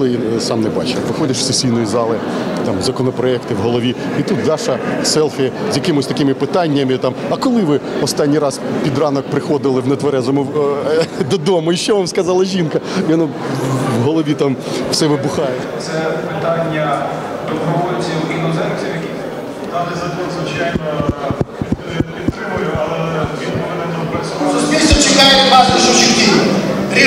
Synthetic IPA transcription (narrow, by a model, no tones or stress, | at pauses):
lˠɪjisɑmnɛbɑ̰t͡ʃjɐkʋɪxɔdʲɐʃw̥sesʲijnɔjizɑlˠɪt̪ɑmzɐkɔnɔpɾɔɛkt̪ɪwɦɔlˠɔʋʲi | it̪ut̪d̪ɑʃɐsɛlˠfɪzʲjɐkɪmʊsʲt̪ɐkɪmɪpɪt̪ɑnʲːɐmɪt̪ɑmɐkɔlˠɪʋɪɔst̪ɑnʲːijɾɑspʲid̪rɑnɔk̚pɾɪxɔd̪ɪlˠɪwnɛt̪ʋɐɾɛzɔmɔ | d̪ɔd̪ɔmʊiʃt͡ʃɔʋamskɐzɑlˠɐʒʲinkɐjɔnu | ʋɦɔlˠɔʋʲit̪ɑm | w̥sɛʋɪbʊxɑjɛ | t̪sɛpɪt̪ɑnʲːɐ | d̪ɔmɾɔʋɔjt͡sʲiʊkʲinɔzɛɾksʲijɐkʲi | t̪ɑnɪzɐt̪ɔnzʋɪt͡ʃajnɔ | i | pʲit̪t̪ːɾɪmʊjʊʔɐlˠɛʋʲinɔɛnɛd̪ɔbɛssʊsʲpʲilʲsʲt̪ʲɔt͡ʃɪkɑjɛʋɑsɐʃɔt͡ʃikt̪ʲinɾʲi